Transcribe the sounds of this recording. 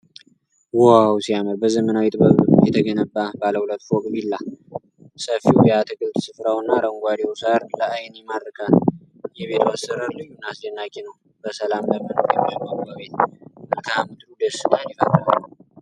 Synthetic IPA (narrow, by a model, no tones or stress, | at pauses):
wawsiaməɾbəzəmənawjɛt̪ʼbəβjɛt̪ʰəɡənəbːabaləhulət̪ːfokʼbilːa | səfiwjat̪ʰɨɡɨlt̪sɨfɾawɨnːaɾəŋɡʷad̪iwusaɾləajnjɛmaɾːəkʰa | jɛβe̞t̪ʰwasəɾəɾlɨjːunːasd͡ʒɛnːakʼenəw | bəsəlamləmːɨnoɾjɛmimambaβet̪ʔɨlkʰaamɨd̪ɾud̪əst̪anifa̰lːəβ